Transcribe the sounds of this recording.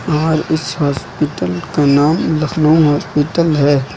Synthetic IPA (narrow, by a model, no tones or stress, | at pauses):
aːɾɪshaːspɪʈəlkanaːmlɐxlõɦaːspɪʈəlɦɛː